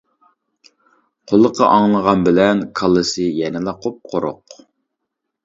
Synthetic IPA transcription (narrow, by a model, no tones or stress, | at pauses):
qʰolˠːəqʰːɑʔɑŋlˠəʁɑnbɪlɛnkʰɑlˠːɨsɨjɛnɪlˠɑqʰop̚qʰoɾo̰q